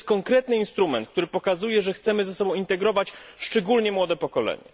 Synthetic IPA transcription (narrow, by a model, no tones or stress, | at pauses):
skɔŋkɾɛt̪nɘinst̪ɾumɛnt̪̚k̚t̪uɾɘpɔkazujɛʐɛxt̪sɛmɘzɛsɔbɔ̃w̃int̪ɛɡɾɔvat͡ɕʂt͡ʂɛɡulɲɛmwɔd̪ɛpɔkɔlɛ̰ɲɛ̰